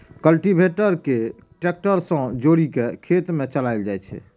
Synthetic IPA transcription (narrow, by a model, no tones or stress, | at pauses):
kəlʈibʱeʈəɾke | ʈek̚ʈəɾsə̃d͡ʒoɽikekʰet̪met͡ʃəlajld͡ʒajt͡ʃʰɛ̰